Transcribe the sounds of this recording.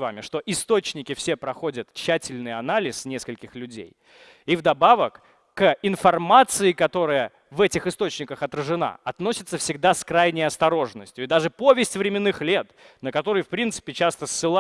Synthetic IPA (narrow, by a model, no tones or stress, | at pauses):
va̰mʲɪʂt̪o̞ʔɪst̪o̞t͡ɕnʲɪkʲɪfsʲe̞pɾɐxo̞dʲət̪t͡ɕːætʲɪlʲnɨjɐnalʲɪsnʲeskəlʲkʲɪxlʲʉdʲḛj | ivd̪ɐbavəkː | ɪnfɐrmat̪sɨɪkɐt̪o̞ɾɨəjə | vɛtʲɪxɨst̪o̞t͡ɕnʲɪkəxɐt̪ɾəʐɨna̰ɐt̪no̞sʲɪt̪səfsʲɪɡ̚d̪askɾajnʲɪjɐst̪ɐɾo̞ʐnəsʲtʲjʊɪd̪aʐɨpo̞vʲɪsʲtʲvɾʲɪmʲɪnːɨxlʲe̞t̪nəkɐt̪o̞ɾəjfpɾʲint̪sɨ̥pʲɪt͡ɕast̪əsːɨlˠa